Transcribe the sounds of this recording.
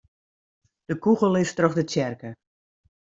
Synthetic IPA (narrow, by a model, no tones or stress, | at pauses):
d̥əkuɣəlˠɪstroxdətjɛrkə